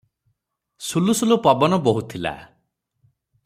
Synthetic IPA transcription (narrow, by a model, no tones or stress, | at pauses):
sulusulupɔbɔnɔboɦut̪ʰila̰